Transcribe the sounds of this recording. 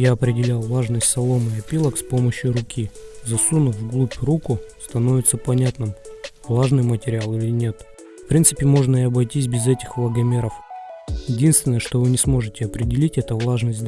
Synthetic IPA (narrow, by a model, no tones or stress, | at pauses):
jaɐpɾʲɪdʲɪlʲalˠvlˠaʐnəsʲtʲsɐlˠo̞mɨɐpʲilˠəkspo̞məɕjʊɾʊkʲizɐsunəvɡlˠupʲrukʊst̪ɐno̞vʲɪt̪səpɐnʲat̪nɨmvlˠaʐnɨjmətʲɪɾʲɪalˠɪlʲɪnʲe̞t̪ | fpɾʲint̪sɨpʲɪmo̞ʐnəɪɐbɐjtʲis̬ʲbʲɪzɛtʲɪxvlˠəɡɐmʲe̞ɾəfjɪdʲinst̪vʲɪnəjəʂt̪o̞vɨnʲɪsmo̞ʐɨtʲɪɐpɾʲɪdʲɪlʲitʲɛt̪əvlˠaʐnəsʲtʲd̪